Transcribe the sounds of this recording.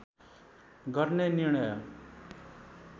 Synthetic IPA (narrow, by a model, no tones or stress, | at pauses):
ɡʱʌɾneniɾɳ̃ʌj